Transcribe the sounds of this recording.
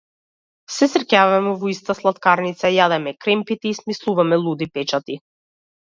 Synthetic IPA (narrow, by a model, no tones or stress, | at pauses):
sɛsɾcavamɛvɔist̪aslˠat̪kaɾnit̪sajad̪ɛmɛkɾɛmpit̪ɛismislˠuvamɛlˠud̪ipɛt͡ʃat̪i